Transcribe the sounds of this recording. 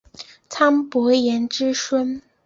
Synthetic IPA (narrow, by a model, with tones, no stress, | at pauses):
t͡sʰa˥npwɔ˧˥jɛ˧˥nʈ͡ʂɻ̩˥ʂwə˥n